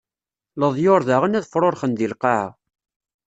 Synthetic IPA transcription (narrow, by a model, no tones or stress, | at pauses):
ləðˤjoɾˤðaʁənæðfɾˤoɾχənd̪ilqaʕ